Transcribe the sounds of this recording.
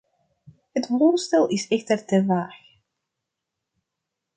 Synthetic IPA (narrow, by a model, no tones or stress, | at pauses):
hətʋoːstɛlˠɪsɛxtərtəʋaːx